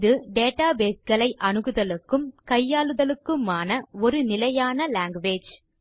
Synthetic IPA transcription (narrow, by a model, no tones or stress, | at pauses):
ðɯɖeːʈaːbeːsɡɐɭɐɪʔɐnɯɣɯðɐlɯkːɯmkɐjːaːlɯðɐlɯkːɯmaːnɐɔɾɯnɪlɐjaːnɐlaːŋɡʋeːd͡ʒ